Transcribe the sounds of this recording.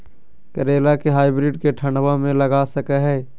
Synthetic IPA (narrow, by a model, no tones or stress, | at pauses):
kəɾeːlakeɦaːɪbɾɪɖkeʈʰəɳɖwamẽləɡasəkɛɦɛː